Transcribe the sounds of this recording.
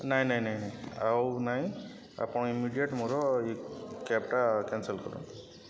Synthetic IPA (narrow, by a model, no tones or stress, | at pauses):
najnajnajnajawnaj | a̰pʊnimiɖijeʈmuɾɔekɛp̚ʈakɛnsəlkɔɾṵn